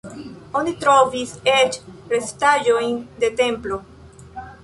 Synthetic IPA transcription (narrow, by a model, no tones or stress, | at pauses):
onit̪ɾoviset͡ʃɾest̪aʒojnd̪et̪emplo